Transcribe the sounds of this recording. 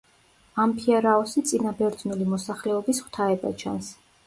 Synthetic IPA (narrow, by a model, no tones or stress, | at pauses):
ampʰiɛɾaɔsit̪sʼinabɛɾd̪znulimɔsaχlɛɔbisχwt̪ʰaɛba̰t͡ʃʰa̰ns